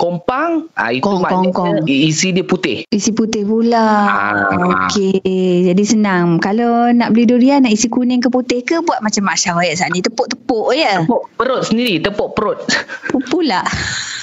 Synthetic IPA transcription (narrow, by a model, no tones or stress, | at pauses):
kompaŋa̰itkuŋaɔŋkɔŋisidiəput̪ɪhisiput̪ɪhpula | oked͡ʒadisənaŋkalonaʔbəlidoɾianaʔisikunɪŋkəput̪ɪhkəbuat̪̚mat͡ʃamːaʃaɾajaʔsaʔnĩt̪əpoʔt̪əpoʔjəpoʔpəɾʊt̪̚səndiɾit̪əpoʔpəɾot̪̚pupulaʔ